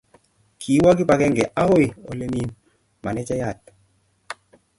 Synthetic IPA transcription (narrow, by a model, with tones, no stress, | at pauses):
kʰi˨˦wa˦ki˦pa˨kɛ˦ŋɡɛ˨ʔa˦ho˦jɔ̰˨le˦mi˦n | ma˨nɛ˦t͡ʃɛ˦ja˦˨t̚